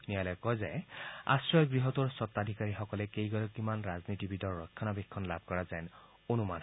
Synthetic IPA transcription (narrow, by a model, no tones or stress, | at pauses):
nijalɔjkɔjzɛa̰sɹɔjɡɹiɦɔtʊɹsɔt̪ːad̪ʱikaɹixɔkɔlɛkejɡɔlɔkːimanɹaznitibidɔɹːɔkʰːanabekʰːɔnlab̚ʱkɔɹazɛn | onuman